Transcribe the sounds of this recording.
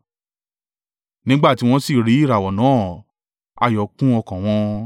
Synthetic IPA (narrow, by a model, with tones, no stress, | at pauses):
nĩ˦ɡ͡ba˦˨ti˨˦w̃ɔ̃˧si˦˨ɾi˨˦i˦˨ɾa˨wɔ˨nã˨˦ | a̰˧˨jɔ˨˦kũ˦ɔ˧kã˨w̃ɔ̃˧